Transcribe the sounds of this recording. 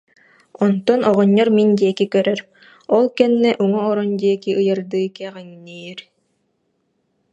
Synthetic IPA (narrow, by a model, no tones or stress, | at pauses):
ɔnt̪ɔnɔʁɔɲːɔɾmind̪iɛkikœɾœɾ | ɔlˠkɛnːɛʔuŋɔːɾɔnd̪iɛkiʔɯjɯɾd̪ɯːkɛʁɛŋnijɛɾ